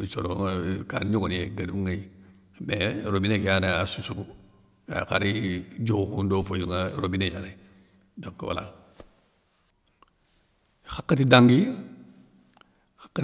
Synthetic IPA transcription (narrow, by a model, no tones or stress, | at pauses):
t͡ʃoɾokanɲoɡoneɡaduŋai | meɾobinekijanaasusu | akaɾid͡ʒokundoːfojuŋaɾobinejane | doŋkwa̰la̰ | xakːatidaŋɡi | xḁkːa